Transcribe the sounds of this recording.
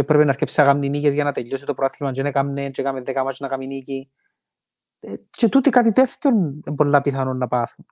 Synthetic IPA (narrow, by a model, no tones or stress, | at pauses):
epɾepenɐɾcepsiɐɣamninicezʝɐnɐt̪eʎːosit̪opɾoɐθlimɐnt͡ʃenekamnent͡ʃekamiðːekɐmat͡ʃnɐkaminici | t͡ʃet̪ut̪ikat̪it̪eθco̞nembo̞lːɐpiθɐnunːɐpɐθun